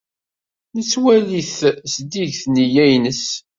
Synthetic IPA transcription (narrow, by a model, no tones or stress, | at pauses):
nət͡sːwæliθsd̪iʝθnijæjnəs